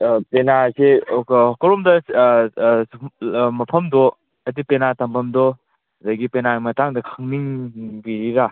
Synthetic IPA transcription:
penasekɔɾɔmdɐ | mɐpʰɐmdɔ | ɐtipenatɐmbʰɐmdɔ | dɐɡipenamɐtaŋdɐkʰaŋniŋbiɾiɾa

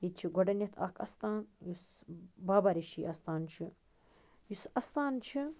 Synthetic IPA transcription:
jit͡ʃʰiɡɔɖɐnjɐt̪ʰɐ̰kʰɐ̰st̪aːnjusbaːbɐɾiʃiːʔɐst̪aːnt͡ʃʰi | jusɐst̪aːnt͡ʃʰi

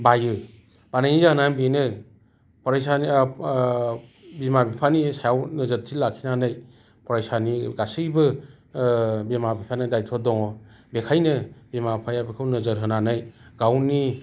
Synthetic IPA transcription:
bajɯ | b̥ananizanabinɯ | pɔɾajsan | bimabipʰanisajawnəzət̚tʰilakʰːinanɯj | pɔɾajsaniɡasɯjbɯ | bimabipʰanɯdajtʰɔdɔŋɔbekʰajnɯbimapʰajabekʰɯwnɯzəɾɦɯnanɯjɡawni

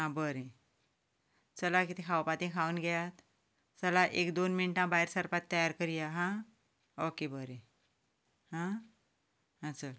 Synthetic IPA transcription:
ɦãbəɾẽ | t͡səlakit̪ʰikʰawpat̪ĩkʰaunɡajat̪ | t͡səlaʔekd̪onminʈãbaɦiɾsəɾpat̪ːəjaɾkəɾijaɦã | okebəɾẽ | hã | ɦat͡sə

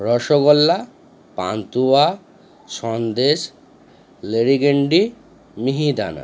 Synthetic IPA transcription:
ɾɔʃoɡɔlːa | pa̰nt̪ua | ʃɔnd̪eʃ | leɾiɡeɳɖi | miɦid̪a̰na̰

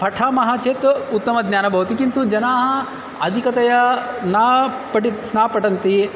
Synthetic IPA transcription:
pʰɐʈʰaːmɐɦaːt͡ʃeːt̪ut̪ːɐmɐd̪njaːnɐbʱɐʋɐt̪ikint̪ud͡ʒɐnaːɦɐ | ɐd̪ʱikɐt̪ɐjɐnaːpɐʈit̪snaːpɐʈɐnt̪i

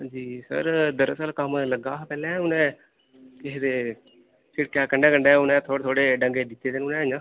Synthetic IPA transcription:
ãːd͡ʒiːsə̰ɾd̪əɾəsəlkəmləɡaːpɛːlɛ̃ːʊnɛ̃ː | kɪɦed̪eː | sɪɽkjaːkəɳɖɛːkəɳɖɛːʊnɛ̃ːt̪ʰoːɽt̪ʰoːɽeːɖəŋɡeːd̪ɪt̪ːeːd̪eːnʊnɛ̃ːd͡ʒãː

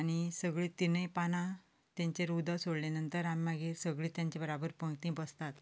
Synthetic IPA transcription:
aɽ̃isəɡɭiːt̪inəjpana | t̪jãɲt͡ɕeɾud̪asoɽlenənt̪əɾamːaɡesəɡɭiːt̪jãɲt͡ɕebəɾabəɾpə̃ŋɡt̪ĩbəst̪at̪

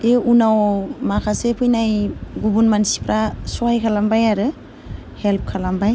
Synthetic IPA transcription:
eunawmakʰasepʰɯjnajɡubunmansi̥pɾasɔajkʰalambajaɾɯ | help̚kʰalambaj

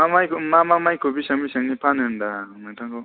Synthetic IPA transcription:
mamajkmamamajkʰobisʌŋbisʌŋnipʰanndamatʰaŋko

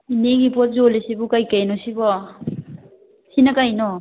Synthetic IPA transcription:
ineɡipɔt̚zolisibukajkajnɔsibɔ | sinakajnɔ

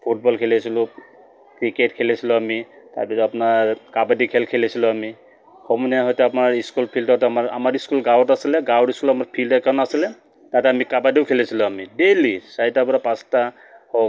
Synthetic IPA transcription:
pʰuʈbɔlkʰelesilʊ | kɹiketkʰelesilɔami | ta̰ɹpisɔapɔnaɹkabadikʰelkʰelesilɔami | hʰɔmunaɦɔjtɛapɔnaɹiskulpʰiltɔɔtamaɹa̰maɹiskulɡawtasilɛɡawdiskulamaɹpʰildɛkɔnasilɛ | tatɛamikabadiokʰelesilʊamidelisajtapɔɹapãsta | ho

